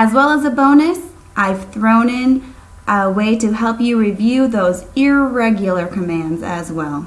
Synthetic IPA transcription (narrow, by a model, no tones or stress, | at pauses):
ɨzwɛlˠəzəbõʊ̃nɨs | ʔaɪv̥θɹõʊ̃nɪ̃n | ʔəweɪɾɨɦɛlˠpjɨɹivjʉðoʊzɪɹɛɡjl̩ˠə˞kʰɨmæ̃ndzɨ̰zwɛlˠ